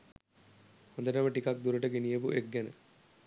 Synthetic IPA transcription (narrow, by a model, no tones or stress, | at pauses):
hõnd̪əʈəməʈikak̚d̪uɾəʈəɡenijəp̬uʔeɡːɛnə̰